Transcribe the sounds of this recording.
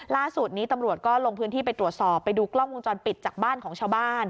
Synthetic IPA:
laː˥˩su˨˩t̪̚niː˦˥t̪a˧mɾu˨˩ət̪̚kɔː˥˩lo˧ŋpʰɯː˦˥nt̪ʰiː˥˩pa˧jt̪ɾu˨˩ət̪̚sɔː˨˩pːa˧jduː˧klɔ˥˩ŋwu˧nt͡ɕɔː˧npi˨˩t̪̚t͡ɕaː˨˩k̚baː˥˩nkʰɔː˩˦ŋt͡ɕʰaː˧wbaː˥˩n

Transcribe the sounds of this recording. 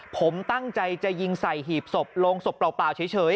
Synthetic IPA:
pʰo˩˦mt̪a˥˩ŋt͡ɕa˧jt͡ɕa˨˩ji˧ŋsa˨˩jɦiː˨˩p̚so˨˩p̚loː˧ŋso˨˩pːlaː˨˩wplaː˨˩wt͡ɕʰɯː˨˦jt͡ɕʰɤː˩˦j

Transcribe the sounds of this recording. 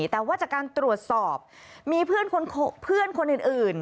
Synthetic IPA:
t̪ɛː˨˩waː˥˩t̚t͡ɕaː˨˩kaː˧nt̪ɾu˨˩ət̪̚sɔː˨˩p̚ | miː˧pʰɯ˥˩ənkʰo˧nkʰpʰɯ˥˩ənkʰo˧nʔɯː˨˩nʔɯː˨˩n

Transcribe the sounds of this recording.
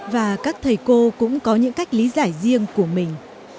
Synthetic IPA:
vaː˨˩kaː˦˥k̚t̪ʰə˨˩jko˧kʊ̰˧˥ŋ͡mkɔ˨˦ɲɨ̰˧˥ŋka˦˥jk̟̚li˨˦zaː˧˩jzi˧əŋku˧˩əmï˨˩ŋ̟

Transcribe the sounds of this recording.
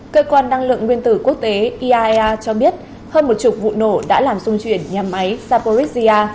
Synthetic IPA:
kəː˧kwaː˧nːa˧ŋlɨ̰˧˨əŋːwi˧ənt̪ɨ˧˩ku˦˥ək̚t̪e˨˦ʔi˧ʔaː˧aː˧t͡ɕɔ˧ɓi˦˥ət̚ | həː˧nmo˨˩t̚t͡ɕʊ˨˩k͡p̚vṵ˧˨no˧˩ɗa̰ː˧˥laː˨˩mzʊ˧ŋ͡mt͡ɕwi˧˩ənɲaː˨˩ma˨˦jzaː˧po˧ɾi˦˥k̚zi˧aː˧

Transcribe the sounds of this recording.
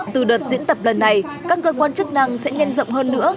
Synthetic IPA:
t̪ɨ˨˩ɗəː˨˩t̚zḭ˧˥nt̪ə˨˩p̚lə˨˩nːa˨˩jkaː˦˥k̚kəː˧kwaː˧nt͡ɕɨ˦˥k̚na˧ŋsɛ̰˧˥ɲɛ˧nzə̰˧˨wŋ͡mɦəː˧nːɨ̰˧˥ə

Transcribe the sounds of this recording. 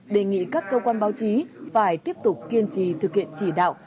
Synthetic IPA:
ɗe˨˩ŋḭ˧˨kaː˦˥kːəː˧kwaː˧nɓaː˨˦wt͡ɕi˨˦faː˧˩jt̪i˦˥əp̚t̪ʊ˨˩k͡p̚ki˧ənt͡ɕi˧˩t̪ʰɨ˨˩k̚hḭ˧˨ənt͡ɕi˧˩ɗa̰ː˧˨w

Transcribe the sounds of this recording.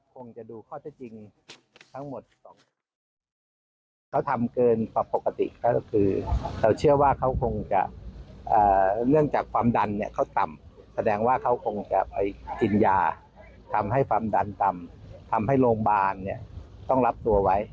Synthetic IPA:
kʰo˧ŋt͡ɕa˨˩duː˧kʰɔː˥˩t̪ʰɛ˧˥˩t͡ɕi˧ŋ | t̪ʰa˦˥ŋmo˨˩t̪̚sɔː˨˩ŋ | kʰa˦˥˩wt̪ʰa˧mkɤː˧npɔ˧˩pːo˨˩kːa˧t̪ḭ˨˩ʔka˦˥˩kʰɯː˧lʰa˧˩wt͡ɕʰɯ˥˩ɐwaː˥˩kʰa˦˥wkʰo˧ŋt͡ɕa̰˨˩ʔʔaː˨˩nɯ˥˩əŋt͡ɕaː˨˩kʰwaː˧mda˧nːi˦˥˩ɐkʰa˥˩wt̪a˨˩m | sa˧dɛː˧ŋwaː˥˩kʰa˦˥wkʰo˧ŋt͡ɕa̰˨˩ʔpa˧jki˧njaː˧ | t̪ʰa˧mɦa˥˩jkʰwaː˧mda˧nt̪a˧mt̪ʰa˧mɦa˥˩jloː˧ŋbaː˧nːi˦˥˩ɐt̪ɔ˥˩ŋla˦˥p̚t̪u˧ɐwa˦˥j

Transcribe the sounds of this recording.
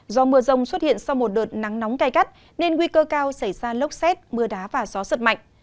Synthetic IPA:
zɔ˨˧˦mɨ˧əzə˧˩wŋ͡mswə˦˥t̚hḭ˧˨ənsa˧wmo˨˩t̚ɗəː˨˩t̚na˨˦ŋna˨˦wŋ͡mkaː˧˩jka˦˥t̚ | ne˧nŋwi˧kəː˧kaː˧wsa˧˩jzaː˧lə˦˥wk͡p̚sɛ˦˥t̚mɨ˧əɗaː˨˦vaː˨˩zɔ˨˦sə˨˩t̚ma̰˧˨ŋ̟

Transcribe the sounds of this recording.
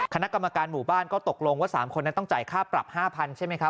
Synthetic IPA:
kʰa˧na˦˥ka˧mːa˧kaː˧nmuː˨˩baː˥˩nkɔː˥˩t̪o˨˩k̚lo˧ŋwaː˥˩sa̰ː˩˦mkʰo˧nːa˦˥t̪ɔ˥˩ŋt͡ɕaː˨˩jkʰaː˥˩pɾa̰˨˩p̚haː˥˩pʰa˧nt͡ɕʰa˥˩jma˦˥kʰa˦˥p

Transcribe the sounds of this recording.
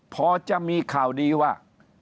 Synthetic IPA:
pʰɔː˧t͡ɕa˨˩miː˧kʰaː˨˩wdiː˧waː˥˩

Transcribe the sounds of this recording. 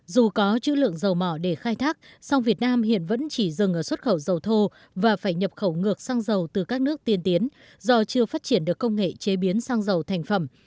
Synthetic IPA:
zu˨˩kɔ˨˦t͡ɕɨ̰˧˥lɨ̰˧˨əŋzə˨˩wmɔ˧˩ɗe˧˩xaː˧jt̪ʰaː˦˥k̚ | sa˧wŋ͡mvi˨˩ət̚naː˧mhḭ˧˨ənvə̰˧˥nt͡ɕi˧˩zɨ˨˩ŋʔəː˧˩swt̚xə˧˩wzə˨˩wt̪ʰo˧ | vaː˨˩faː˧˩jɲə˨˩p̚xə˧˩wŋɨ˨˩ək̚saː˧ŋzə˨˩wt̪ɨ˨˩kaː˦˥k̚nɨ˦˥ək̚t̪i˨˩nt̪i˨˦n | zɔ˧t͡ɕɨ˧əfaː˦˥t̚t͡ɕi˧˩ənɗɨ˨˩əkːə˧wŋ͡mŋḛ˧˨t͡ɕe˨˦ɓi˨˦ənsaː˧ŋzə˨˩wt̪ʰɛ˨˩jŋ̟fə˧˩m

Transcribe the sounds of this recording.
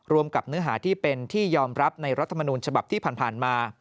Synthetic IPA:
ɾu˧əmka˨˩p̚nɯ˦˥ɐɦaː˩˦t̪ʰiː˥˩pe˧nt̪ʰiː˥˩jɔː˧mɾa˦˥p̚na˧jɾa˦˥t̪ʰːa˧ma˧nuː˧nt͡ɕʰa˧ba˨˩p̪̚ʰiː˥˩pʰaː˨˩npʰaː˨˩nmaː˧

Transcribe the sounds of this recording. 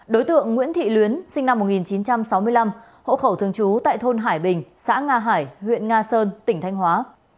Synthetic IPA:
ɗo˨˦jt̪ɨ̰˧˨əŋːw̰i˧˥ənt̪ʰḭ˧˨lwi˨˦ənsï˧ŋ̟na˧mːo˨˩t̚ŋi˨˩nt͡ɕi˨˦nt͡ɕa˧msa˨˦wmɨ˧əjla˧m | ho̰˧˨xə˧˩wt̪ʰɨ˧˩əŋt͡ɕu˨˦t̪a̰ː˧˨jt̪ʰo˧nɦaː˧˩jɓï˨˩ŋ̟sa̰ː˧˥ŋaː˧ɦaː˧˩jhwḭ˧˨ənŋaː˧səː˧nt̪ï˧˩ŋ̟t̪ʰa˧jŋ̟hwaː˨˦

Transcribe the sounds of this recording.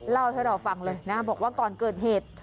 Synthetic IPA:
la˥˩wt̪ʰa˥˩wɾa˧wfa˧ŋlɤː˧jna˦˥bɔː˨˩k̚waː˥˩kɔː˨˧nkɤː˨˩t̪̚heː˨˩t̪̚

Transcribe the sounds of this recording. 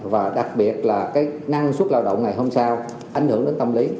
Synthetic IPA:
vaː˨˩ɗa˨˩k̚ɓi˨˩ət̚laː˨˩kaː˨˦jna˧ŋst̚laː˧wɗə̰˧˨wŋ͡mŋa˨˩jɦo˧msaː˧w | ʔa˧˨˩jŋ̟hɨ˧˩əŋɗe˨˦nt̪ə˧mli˨˦

